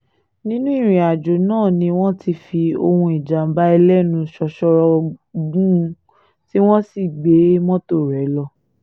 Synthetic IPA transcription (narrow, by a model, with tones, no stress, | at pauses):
nĩ˦nũ˦i˦˨ɾ̃ĩ˨a˨d͡ʒo˨nãː˦˨nĩ˧w̃ɔ̃˦ti˧fi˧o̰˧hũ˧i˨d͡ʒa˨m̩˦ba˦ɛ˧lɛ˦nũ˧ʃɔ˧ʃɔ˧ɾɔ˧ɡũ˦˧ | ti˦w̃ɔ̃˦si˦˨ɡ͡be˨˦mɔ̃˦to˦˨ɾɛ˨˦lɔ˧